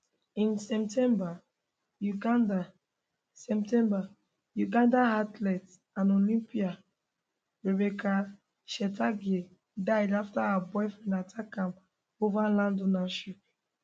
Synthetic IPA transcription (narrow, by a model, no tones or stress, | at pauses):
ĩnsɛp̚tʰɛ̃mba | juɡanda | sɛp̚tɛ̃mba | juɡãndaɦatlɛt | ãnolĩmpia | ɹebɛkʰa | ʃɛtaɡe | daɪdaftaaabɔɪfɹɔ̃mdatʰakãm | ovalãndonaʃip̚